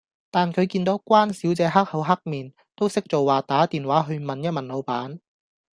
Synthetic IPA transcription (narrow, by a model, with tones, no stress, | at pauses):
t̪aː˨nkʰɵ˨˧ɥkiː˧nt̪o˨˥wkʷwaː˥nsiː˨˥wt͡sɛː˨˧ɦa˥k̚hɐ˨˧wɦɐ˥k̚miː˨˩n | t̪o˥wsɪ˥k̚t͡so˨wwaː˨˩t̪aː˨˥t̪iː˨nwaː˨˥ɦɵ˧ɥmɐ˨njɐ˥t̚mɐ˨nlo˨˧wpaː˨˥n